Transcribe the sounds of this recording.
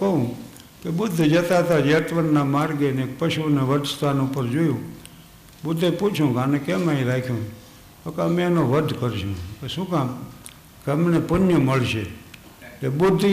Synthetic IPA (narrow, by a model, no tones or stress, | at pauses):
kəɦũ | kebʊd̪ʱːd͡ʒət̪at̪ad͡ʒet̪ʋənːamaɾɡenek̚pəʃuneʋəd̪st̪anupəɾd͡ʒojũ | bʊd̪ʱːeput͡ʃʰũkanekemaiɾakʰjũ | t̪okeəmẽenoʋəd̪ʱkəɾʃṵ̃kesũkãm | keəmnepʊnjəməɭʃe | tebʊd̪ʱː